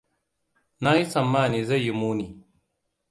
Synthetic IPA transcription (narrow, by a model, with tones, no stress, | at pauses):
na˦ji˦sɐ˨mːaː˦˨ni˨za˦˨jːi˨muː˦ni˨